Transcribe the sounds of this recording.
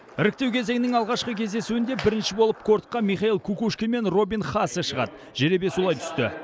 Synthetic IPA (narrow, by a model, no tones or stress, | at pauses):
ɪɾɪk̚ʲt̪e̞wkʲʰe̞ze̞ŋɪnɪŋɑlˠʁɑʃqəkʲʰe̞zd̪e̞suɪnd̪e̞bɪɾɪnʃɪbo̞lˠəp̚kʰo̞ɾt̪̚qːɑmiχɑilˠkʰukuʃkʲeme̞nro̞binχɑsəʃəʁɑ̰d̪ə | ʒeɾe̞be̞sulˠɑjt̪ʰʏ̥st̪ɪ